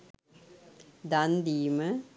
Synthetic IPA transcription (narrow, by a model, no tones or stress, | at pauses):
d̪ɐnd̪iːmɐ